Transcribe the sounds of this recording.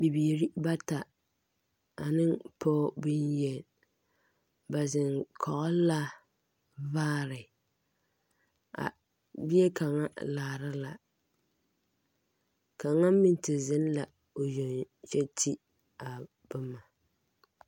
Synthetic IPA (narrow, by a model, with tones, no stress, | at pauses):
bi˨biː˨ɾi˦ba˦ta˨ | a˨nɨ˦ŋpʰɔː˦bɪ˦njɛ˨l | ba˨zɪ˨nkʰɔ˨ʔɔ˦la˦ | vaː˦ɾɪ˨ | a̰˨ | bi˦ɛ˦kʰa˨ŋa̰˦laː˨ɾa˦la˨ | ka˨ŋa˦mɪ˦n˦tɪ˨zɪ˦n˦la˨ | o˨jo˨nt͡ʃɛ˦tʰi˦ | a˨ | b̥ɨ˦ma˨